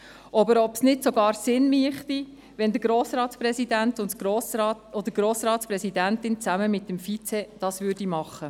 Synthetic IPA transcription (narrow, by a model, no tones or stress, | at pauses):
ʔɑbəɾɔpsnɪtsoɡɑːɾsɪnmiəχt̪i | ʋɛnd̪əɡ̥ɾoːsɾɑːtsprɛsidæntʊntosɑɔd̪əɡ̥ɾoːsɾɑːtspɾɛsidæntɪnt͡sæməmɪtːəmfit͡sɛd̥ɑsvʏɾdimɑχːə